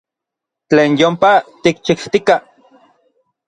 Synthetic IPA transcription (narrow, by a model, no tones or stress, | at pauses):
t͡ɬeːnjompat̪ik̚t͡ʃikt̪ika